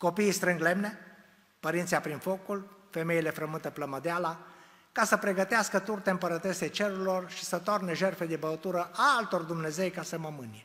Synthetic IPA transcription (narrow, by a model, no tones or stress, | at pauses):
ko̞piːst̪ɾɨŋɡle̞mne̞ | pəɾint̪sijapɾinfo̞kulfe̞me̞ile̞fɾəmɨnt̪epləməd̪eala | kasəpɾe̞ɡət̪easkət̪urt̪eɨmpəɾət̪e̞set͡ʃe̞ɾuilo̞rʃi̥sət̪o̞rneʒe̞rfe̞d̪ebət̪uɾəʔaalt̪o̞rd̪umne̞ze̞jkasəməmɨnʲje